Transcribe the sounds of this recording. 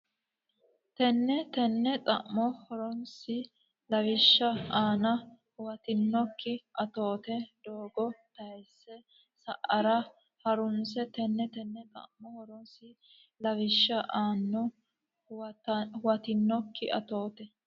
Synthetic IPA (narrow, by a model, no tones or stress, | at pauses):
t̪ɛnːɛt̪ɛnːɛt̪ʼɐ̰ʔmɔhɔɾɔnsɪ | lɐwɪʃːɐaːnɐ | wɐt̪ɪnːɔkːɪʔɐt̪o̞ːt̪ɛd̪̥oːɡɔt̪ɐjsːɛ | sɐ̰ʔɐɾɐ | hɐɾʊnsɛt̪ɛnːɛt̪ɛnːɛt̪ʼɐ̰ʔmɔhɔɾɔnsɪ | lɐwɪʃːɐʔaːnːɔ | wɐt̪ɪnːɔkːɪʔɐ̰t̪o̞ːt̪ɛ